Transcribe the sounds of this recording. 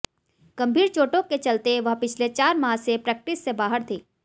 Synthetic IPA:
ɡ̥ɐ̃mbʱiːɾt͡ʃoːʈõket͡ʃɐlt̪eʋɐɦpɪt͡ʃʰlet͡ʃaːɾmaːsepɾɛk̚ʈɪsːebaːɦəɾt̪ʰeː

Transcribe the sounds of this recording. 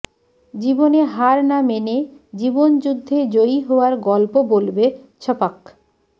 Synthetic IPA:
d͡ʑiboneɦaɾnamened͡ʑibond͡ʑud̪ʱːed͡ʑoiɦooaɾɡɔlpobolbet͡ɕʰɔpak

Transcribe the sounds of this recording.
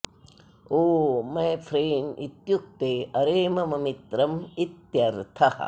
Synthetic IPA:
oːmajpʰɾeːnɖḭt̪juk̚t̪eɐɾemɐmɐmit̪ɾɐmit̪jɐɾt̪ʰɐhɐ̰

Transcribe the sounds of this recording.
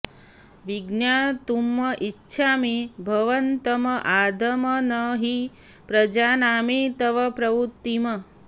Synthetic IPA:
ʋiɡnjaːt̪umːɐʔitːʃʰaːmebʱɐʋɐnt̪ɐmɐʔaːd̪ʱɐmɐnɐɦi | pɾɐd͡ʒaːnaːmet̪ɐʋɐpɾɐʋut̪ːimɐ

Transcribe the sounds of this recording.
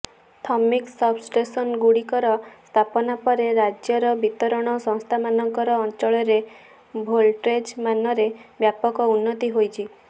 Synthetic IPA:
t̪ʰɔmiksɔbsʈesɔnɡuɽikɔɾɔst̪ʰapɔnapɔɾeɾad͡ʒjɔɾɔbit̪ɔɾɔɽ̃ɔsɔ̃ŋst̪ʰamanɔŋkɔɾɔːnt͡ʃɔɭɔɾe | bʱolʈɾed͡ʒmanɔɾebjapɔkɔunːɔt̪iɦojt͡ʃʰi

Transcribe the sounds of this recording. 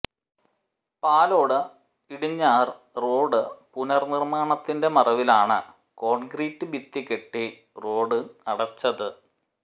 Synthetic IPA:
paːlo̞ːɽɨ | iɽiɲːaːr | roːɽɨpunɐrnirmaːɳɐt̪ːinde̞mɐrɐʋilaːɳɨ̰ | ko̞ːɳɡriːtːɨbit̪ːikeʈːi | ro̞ːɽɨnɐɽɐt͡ɕːɐðɨ

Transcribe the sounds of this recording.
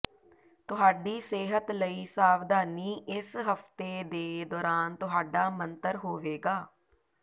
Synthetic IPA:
t̪ʊɦaːɖiːseːɦət̪ləiːsaːʋd̪aːniːʔɪsɦəfʰt̪eːd̪eːd̪ɔːɾaːnt̪ʊɦaːɖaːmənt̪əɾɦoːʋeːɡaː

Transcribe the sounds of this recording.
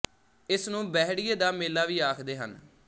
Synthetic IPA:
ɪsnũːbɛːɦɽɪjeːd̪aːmeːlːaːʋiːaːkʰd̪eːɦə̰n

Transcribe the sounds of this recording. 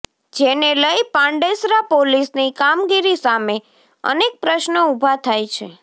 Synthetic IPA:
d͡ʒeneləjpãɳɖesɾapolisnikamɡiɾisame | ə̰nek̚pɾəʃnəubʱat̪ʰajt͡ʃʰe

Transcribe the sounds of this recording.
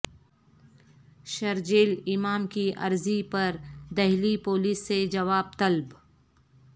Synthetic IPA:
ʃɐɾd͡ʒeːlɪmaːmkiʔɐ̰ɾzipɐɾd̪ɐɦlipoːliːsːed͡ʒɐʋaːb̚t̪ɐlb

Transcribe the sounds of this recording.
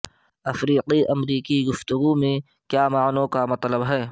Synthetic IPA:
ɐfɾiːqiʔɐmɾiːkiɡʊft̪ʊɡumẽ | kjaːmaːnõkamɐt̪ləbɦɛː

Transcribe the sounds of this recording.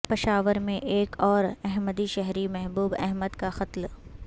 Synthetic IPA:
pɪʃaːʋəɾmẽʔeːkʰɔːɾɛɦməd̪iʃɛɦɾimɛɦbuːbɛ̰ɦməd̪kaxɐt̪l

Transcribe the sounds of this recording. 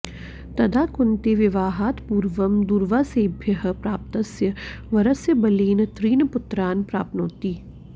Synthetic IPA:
t̪ɐd̪aːkʊnt̪eʋɪʋaːɦaːt̪puːɾʋɐmd̪uːɾʋaːseːbʱjəɦ̆pɾaːp̚t̪ɐsjəʋɐɾɐsjəbɐliːnt̪ɾiːnpʊt̪ɾaːnpɾaːp̚t̪noːt̪iː

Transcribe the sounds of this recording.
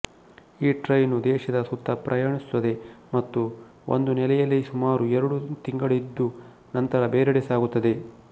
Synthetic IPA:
iːʈɾɐjnud̪ɛːʃɐd̪ɐsut̪ːɐpɾʔɐjaːɳisu̥t̪ɐd̪e̞mɐt̪ːu | ʔo̰nd̪unɛlɛjɐlːisumaːɾuɛɾɐɽut̪iŋɡɐɭid̪ːu | nɐnt̪ɐɾɐbeːɾɛɽesaːɡut̪ːɐd̪e̞

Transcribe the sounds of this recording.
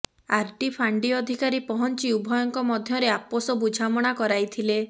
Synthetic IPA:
aɾʈipʰaɳɖiɔd̪ʱikaɾipɔɦɔnt͡ʃiubʱɔjɔŋkɔmɔd̪ʱjɔɾeaposɔbud͡ʒʱamɔɽ̃akɔɾajt̪ʰile

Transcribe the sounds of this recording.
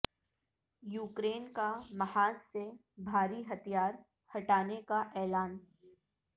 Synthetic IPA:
juːkɾeːnkamɐhaːnse | bʱaːɾiɦɐt̪ʰijaːɾ | hɐʈaːnekaʔɛːlaːn

